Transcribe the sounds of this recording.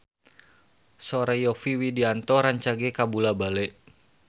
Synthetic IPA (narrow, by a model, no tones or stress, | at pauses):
sɔɾɛjɔfiwidiant̪ɔɾaɲt͡ʃaɡɛkabulabalɛʔ